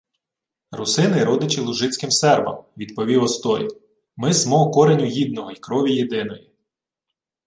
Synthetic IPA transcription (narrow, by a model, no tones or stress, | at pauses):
rʊsɪnɪɾɔd̪ɪt͡ʃɪlˠʊʒɪt͡sʲkɪmsɛrbɐ̰mʋʲid̪pɔʋʲiwɔst̪ɔɾʲḭ | mɪsmɔɔkɔɾenʲʊɦid̪̚nɔɦɔikɾɔʋʲijed̪ɪnɔji